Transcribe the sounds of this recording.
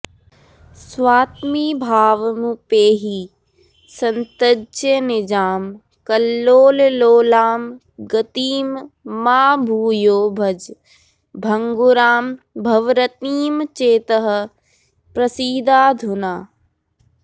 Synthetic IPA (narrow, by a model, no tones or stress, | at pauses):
swaːt̪miːbʱaːʋɐmupeːɦi | sɐnt̪əd͡ʒenɪd͡ʒaːm | kɐlːoːlloːlaːm | ɡɐt̪iːmːaːbʱuːjoːbʱɐd͡ʒ | bʱɐŋɡuɾaːm | bʱɐʋɾət̪niːmt͡ʃeːt̪əɦɐ̆ | pɾɐsiːd̪aːd̪ʱunaː